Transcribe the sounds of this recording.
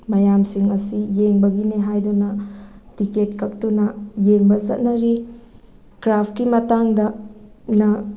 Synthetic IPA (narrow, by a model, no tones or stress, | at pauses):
mɐjamsiŋɐsijeŋbɐɡineɦajdunɐtiketkʰɐk̚tunɐjeŋbɐsɐt̚nɐɾi | kɾapʰkimɐtaŋdɐnɐ